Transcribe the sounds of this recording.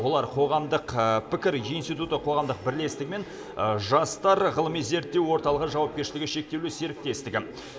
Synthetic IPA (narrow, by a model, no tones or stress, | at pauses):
wo̞lˠɑɾqʰo̞ʁɑmd̪əqpʰɪkʲɪɾinst̪ijt̪ut̪əqʰo̞ʁɑmd̪əq̚bɪɾle̞st̪ɪɡʲɪme̞n | ʒɑst̪ɑɾʁəlˠəmijze̞ɾt̪ːewwo̞ɾt̪ɑlˠəʁəʒɑwɑp̚kʲe̞ɾʃɪlɪɡʲɪʃe̞k̚t̪e̞wluseɾɪk̚t̪e̞st̪ɪɡʲɪ